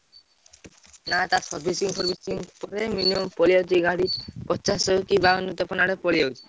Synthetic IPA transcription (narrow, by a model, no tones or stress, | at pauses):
nat̪asɔɾbʱisiŋsɔɾbʱisiŋpɔɾeminiɔmpɔlijad͡ʒiɡaɽipɔt͡ʃasɔkibanut̪ɔpɔnaɽepɔlijawd͡ʒi̥